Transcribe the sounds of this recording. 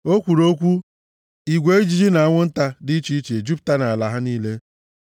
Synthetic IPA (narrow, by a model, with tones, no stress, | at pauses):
o˦kʷu˨ɾo˦kʷu˦ | i˨ɡʷe˨˦i˦d͡ʒi˦d͡ʒi˦na˨a˦ŋʷʊ˦n̩˦ta˦dɪ˦i˦t͡ʃi˦i˦t͡ʃe˨e˨d͡ʒi˦pta˦na˨a˨la˨ɦa˦niː˦le˦